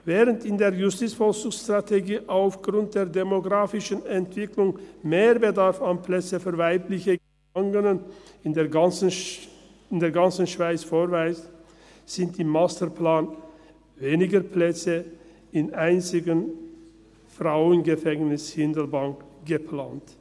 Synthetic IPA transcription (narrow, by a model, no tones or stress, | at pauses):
vɛːʁəntɪndeːɐjʊstiːt͡sfɔlsʊŋsʃtʁ̥atʰeɡiːʔaʊfɡ̥ʁʊnt̚d̥eːɐdemoɡʁaːfɪʃənɛntv̥ɪklʊŋmeːbədaʁfanpʰlɛt͡səfyːɐvaɪplɪçə | aŋənənɪndeːn | ɪndeːɐɡant͡sn̩ʃv̥aɪt͡sfoːʁvaɪs | z̥ɪntɪmːastəplaːn | veːnɪɡəpʰlɛt͡sə | ɪnʔaɪnt͡sɪɡən | fʁaʊənɡəfɛŋnɪshɪndəlbaŋkɡ̥əpʰl̥aːnt